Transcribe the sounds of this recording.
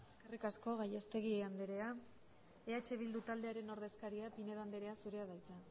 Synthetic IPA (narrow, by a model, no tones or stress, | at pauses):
esskerikasko̞ɣaje̞st̪e̞ɣ̞iand̪eɾe̞a | e̞at͡ʃe̞β̞ild̪ut̪ald̪e̞aɾe̞no̞ɾðe̞skaɾiapineðoand̪eɾe̞asuɾe̞aðajt͡s̪a